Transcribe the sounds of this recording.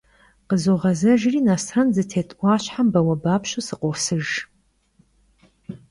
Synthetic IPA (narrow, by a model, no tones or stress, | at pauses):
qəzoʁɐzɐʒriːnaːsʰɐnzɨtʰeːtʰʼʔʷɑːɕħambɐwɐbaːpɕusɨqʷʼɔrsɨʒ